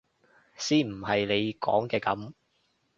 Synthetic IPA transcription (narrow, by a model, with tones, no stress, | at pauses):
siː˥m̩˨˩hɐ˨jle˨˧jkɔ̰ː˨˥ŋkɛː˧kɐ̰˨˥m